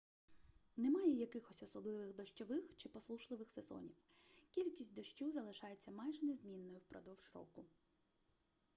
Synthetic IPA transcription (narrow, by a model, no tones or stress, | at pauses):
nemɑjɛjɐkɪxɔsʲɔsɔblˠɪʋɪxd̪ɔʃt͡ʃɔʋɪxt͡ʃɪpɔslˠuʃlˠɪʋɪxsezɔ̰nʲiw | kʲilʲkʲisʲt̚ʲd̪ɔʃt͡ʃuzɐlˠɪʃɑjet͡sʲːɐmɑjʒɛnezmʲinːɔjʊwpɾɔ̰d̪ɔwʒ̥ɾɔ̰kʊ